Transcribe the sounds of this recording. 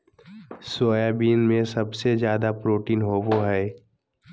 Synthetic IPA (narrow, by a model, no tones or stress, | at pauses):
soːjaːbiːnmẽsɐbsezjaːd̪apɾoːʈiːnɦoːboɦɛː